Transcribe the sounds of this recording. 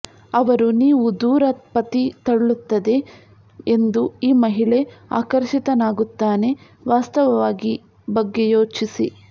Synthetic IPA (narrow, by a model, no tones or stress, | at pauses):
ɐʋɐɾuniːʋud̪uːɾɐt̪pɐt̪it̪ɐɽɭut̪ːɐd̪e̞ | end̪uiːmɐɦiɭe̞a̰ːkɐɾʃit̪ɐnaːɡut̪ːaːne̞ | ʋaːst̪ɐʋɐʋaːɡi | bɐɡːe̞joːt͡ʃisi